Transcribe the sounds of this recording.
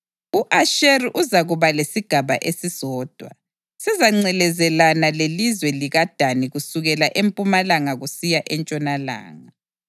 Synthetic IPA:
uʔaʃeriʔuzaɣuβalesiɡ̥ʱaβa̰ʔesizɔːd̥ʱwa̰ | sɛzaŋ͡ǀɛlɛzɛlanalelizwɛliɣad̥ʱaniɣusuɣɛlaʔempʼumalaŋaɣusijaʔɛnt͡ʃʼɔnala̰ːŋa

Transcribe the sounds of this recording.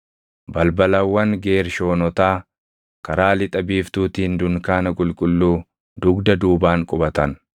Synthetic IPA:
bɐlbɐlɐwːɐŋɡe̞ːɾʃo̞ːnɔt̪aː | kɐɾaːlɪt̪ʼɐbiːft̪uːt̪iːnd̪ʊŋkaːnɐkʼʊlkʼʊlːuː | d̪ʊɡd̪ɐd̪uːbaːŋkʼʊbɐt̪ɐn

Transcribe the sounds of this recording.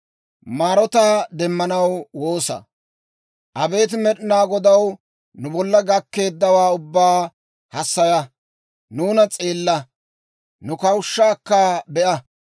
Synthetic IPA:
maːɾɔt̪aːd̪ɛmːɐnɐwwo̞ːsɐ̰ | ʔɐbe̞ːt̪̬mɛɗɪnaːɡɔd̪ɐw | nʊbɔlːɐɡɐkːe̞ːd̪ːɐwaːʊbːaː | hɐsːɐjɐ | nuːnɐt͡sʼe̞ːlːɐ | nʊkɐwʃːaːkːɐbɛʔɐ

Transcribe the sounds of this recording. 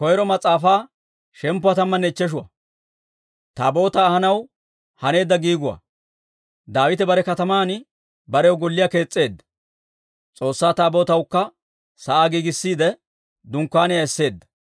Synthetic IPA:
kɔjɛɾɔmɐt͡sʼaːfaː | ʃɛmpːʊɐt̪ɐmːɐnːɛɪt͡ʃːɛʃ̬ʊwɐ̰ | t̪aːbo̞ːt̪ɐːhɐnɐw | hɐne̞ːd̪ːɐɡiːɡʊwɐ̰ | d̪aːwɪt̪ɛbɐɾɛkɐt̪ɐmaːn | bɐɾɛʊɡɔlːɪjaːke̞ːt͡sʼːe̞ːd̪ːɐ̥ | t͡sʼo̞ːsːaːt̪aːbo̞ːt̪ɐwkːɐ | sɐʔaːɡiːɡɪsːiːd̪ɛ | d̪ʊŋkːaːnɛjɐɛsːe̞ːd̪ːɐ̥

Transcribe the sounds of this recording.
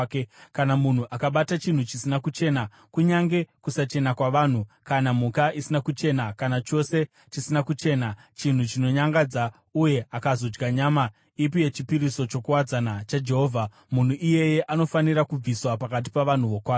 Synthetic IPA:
ekanamun̤uʔakaɓatat͡ʃin̤ut͡ʃisinakut͡ʃe̞na | kuɲaŋɡe̞kusat͡ʃe̞nakwaʋan̤ukanamukaʔisinakut͡ʃe̞nakanat͡ʃo̞se̞ | t͡ʃisinakut͡ʃe̞ːnat͡ʃin̤ut͡ʃino̞ɲaŋɡad͡za | uje̞ʔakazo̞d͡ʒɡaɲaːma | ip̬ije̞t͡ʃipiɾiso̞t͡ʃo̞kuwad͡zanat͡ʃad͡ʒe̞ɦoːvʱa | mun̤uʔije̞je̞ʔano̞faniɾakub͡viswapakat̬ipaʋan̤uʋokwaː

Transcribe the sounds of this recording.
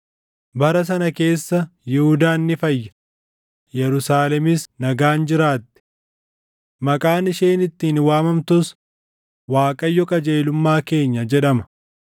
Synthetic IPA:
bɐɾɐs̬ɐnɐke̞ːsːɐjɪhʊd̪aːnːɪfɐjːɐ | jɛɾʊsaːlɛmɪsnɐɡaːnd͡ʒɪɾaːt̪ːɪ̥ | mɐkʼaːnɪʃeːnɪt̪ːiːnwaːmɐmt̪ʊs | waːkʼɐjːɔkʼɐd͡ʒeːlʊmːaːke̞ːɲːɐd͡ʒɛᶑɐmɐ̥

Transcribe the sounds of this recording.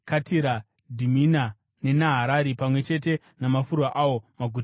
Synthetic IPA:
katiɾa | dʱimina | ne̞naɦaɾaɾipamwe̞t͡ʃe̞t̬e̞ | namafuɾuaʔawo̞maɡʱut

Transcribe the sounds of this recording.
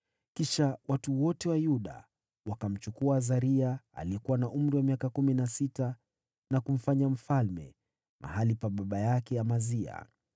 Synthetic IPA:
kiʃawatuwɔtɛwajuɗa̰ | wakam̩t͡ʃukuazaɾiaa̰liɛkuwanaʔum̩ɾiwamiakakuminasita | nakum̩faɲam̩falmɛ̰ | mʔa̰halipaɓaɓajakɛjamazia̰

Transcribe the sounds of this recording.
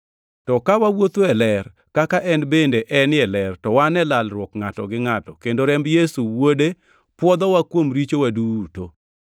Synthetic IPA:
tɔkawawot̪ɛlɛr | kakaʔɛnbendeʔɛnɛlɛrtɔwanɛlalɾwɔkŋatɔɡɪŋatɔkendoɾɛmbjesuwode | pwɔd̪ɔwakwomɾit͡ʃowaduto

